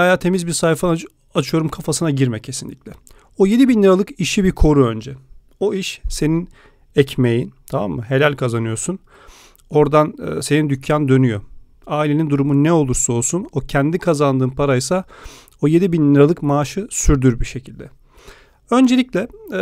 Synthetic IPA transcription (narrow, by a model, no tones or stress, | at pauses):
ajaːt̪ʰe̞mizbiɾsajfa | at͡ʃʰɯjo̞ɾumkʰafasɯnaɟiɾmɛcʰːe̞sinlʲḭcʲlʲɛ | oje̞d̪ibinlʲiɾalˠɯkiʃibiɾkʰo̞ɾuø̞nd͡ʒɛ | o̞iʃse̞nin | ɛcme̞jint̪ʰama̰mːɯɦe̞lʲælʲkʰazanɯjo̞sun | o̞ɾd̪an̰ːse̞nind̪ycʰːand̪ø̞nyjo | aːilʲe̞nind̪uɾumunɛo̞lˠuɾso̞lˠsuno̞cʰænd̪ikʰazand̪ɯːmpʰaɾajsa | oje̞d̪ibinlʲiɾalˠɯkmaːʃɯsyɾd̪yɾbiʃe̞cʰilʲd̪ɛ | ø̞nd͡ʒe̞lʲiclʲɛ